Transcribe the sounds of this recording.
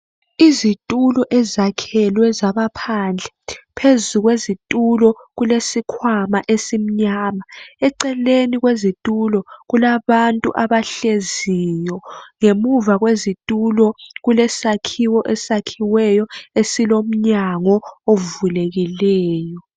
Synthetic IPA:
izitʼulɔʔɛzakʰɛlwɛzaβapʰand͡ɮʱɛpʰezuɣwezitʼulɔɣulesikʰwamaʔesim̩ɲaːmaɛǀɛleniɣwezitʼulɔɣulaβantʼṵʔaβaɬezijɔŋemuvaɣwezitʼulɔɣulɛsakʰiwɔʔɛsakʰiwɛjɔesilom̩ɲaŋɔovuleɣilɛːjɔ

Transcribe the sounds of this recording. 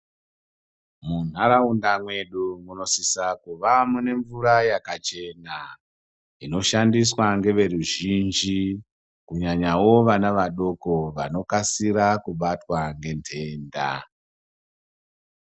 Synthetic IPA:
mun̤aɾaundamwe̞ɗumuno̞sisakuʋamune̞ɱvuɾajakat͡ʃe̞na | ino̞ʃandiswaŋɡe̞ʋe̞ruʒind͡ʒi | kuɲaɲawo̞ʋanaʋaɗo̞ko̞ʋano̞kasiɾakuɓatwaŋɡe̞ntʰe̞ːnda̰

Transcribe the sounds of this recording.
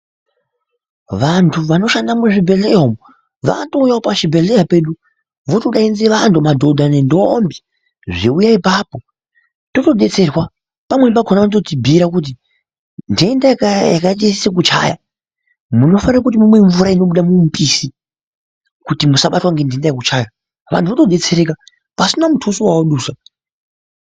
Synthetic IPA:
ʋantʰuʋano̞ʃandamuʐibʱe̞ɮeɦomu | ʋa̰kato̞ujaopaʃibʱe̞ɮejape̞ɗu | ʋotoɗainzeʋantʰumadʱo̞dʱanendombi | ʐiujaipapo̞ | to̞to̞ɗe̞t͡se̞rwa | pamwe̞paɡʰʱonatotibʱiɾak̬ut̬i | ndiendakjakaɗesisek̬ut͡ʃa̰ja̰ | muno̞fanirakut̬imumwe̞ɱvuɾaino̞ɓuɗamumpʼisi | kutimusaɓatwaŋɡe̞ndiendajekut͡ʃaja | ʋa̰ntʰuʋotoɗe̞t͡se̞ɾe̞ka | pasinamutʰusiwawoɗuːsa

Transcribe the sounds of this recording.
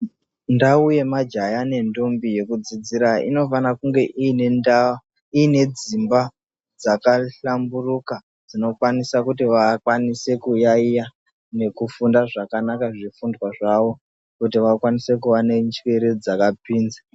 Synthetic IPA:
ndauje̞mad͡ʒajane̞ndombije̞kud͡zid͡ziɾaḭno̞fanakuŋɡe̞ʔiːne̞ndawa | iːne̞d͡zimba | d͡zakaɬamburuka | d͡zino̞kwanisakutiʋakwanise̞kujaija | ne̞kufundaʐakanakaʐifundwaʐaʋo̞ | kutiʋakwanise̞kuʋane̞nt͡ʃweɾed͡zakapiːnza

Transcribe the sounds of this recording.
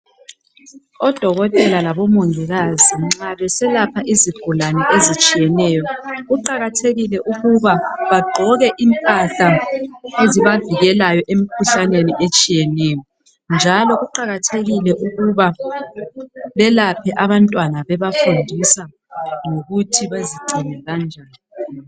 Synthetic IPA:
ɔd̥ʱɔɣɔtʼɛlalaβɔmoŋiɣaziŋ͡ǁaβɛsɛlapʰaʔiziɡ̥ʱulanɛʔezit͡ʃʼijɛnɛjɔɣuǃaɣatʰeɣilɛʔuɣuβaβaɡ͡ǃʱɔɣɛʔimpʼata | eziβaviɣɛlajɔʔemikʰuɬaneniʔet͡ʃʼijɛnɛjɔ | nd͡ʒʱalɔʔuǃaɣatʰeɣilɛʔuɣuβa | βɛlapʰɛʔaβantʼwanaβɛβafundʱisa | ŋoɣutʰiβeziɡ͡ǃʱinɛɣand͡ʒʱaːni

